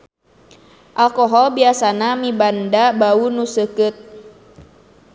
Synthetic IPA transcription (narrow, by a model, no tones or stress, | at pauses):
ʔalkɔɦɔlbiasanamibandabaunusəkɨt̪̚